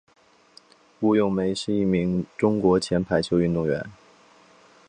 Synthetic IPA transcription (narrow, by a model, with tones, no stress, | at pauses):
u˥˩jʊ˥˩ŋme˧˥ɪʂɻ̩˥˧i˥˩mi˧˥ŋʈ͡ʂʊ˥ŋkwɔ˧˥t͡ɕʰjɛ˧˥npʰa˧˥ɪt͡ɕʰjo˧˥ʊy˥˧nt̪ʊ˥˩ŋɥɛ̰˧˥n